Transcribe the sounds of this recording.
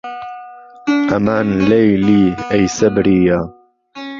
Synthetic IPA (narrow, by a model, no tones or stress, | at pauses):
ʔɐmaːnlejliːejsɐbɾiːjaː